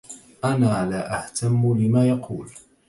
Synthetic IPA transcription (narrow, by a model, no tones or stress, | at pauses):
ʔanaːlaːʔaht̪ʰamːlɪmaːjɑqʰuːl